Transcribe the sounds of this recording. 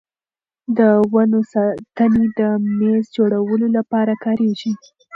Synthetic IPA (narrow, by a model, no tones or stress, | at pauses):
d̪əwanosɑt̪əned̪əmezd͡ʒoɽawəlolapɑɾakɑɾeʒi